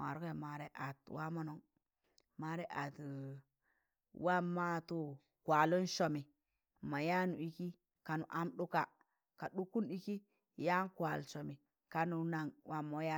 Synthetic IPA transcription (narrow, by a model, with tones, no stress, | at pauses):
a˨ɾu˦ke˦˨ma˨ɾe˦ʔa˨twa˦mo˦no˨ŋ | ma˨ɾe˦ʔa˨t | wa˦ma˦tu˦ | kwa˨lu˦nʃo˨mi˨ | ma˨ja˦nu˨i˦ki˦ | ka˨nṵ˨ʔa˦mɗu˦ka˨ | ka˨ɗu˦ku˦ni˦ki˦ | ja˦nkwa˨lso˨mi˨ | ka˦nu˨˦na˨ŋwa˦mo˦ja˦